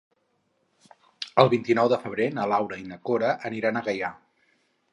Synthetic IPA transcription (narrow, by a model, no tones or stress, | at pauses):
əlˠβint̪inɔwðəfəβɾenəlawɾəinəkoɾəʔəniɾanəɣəja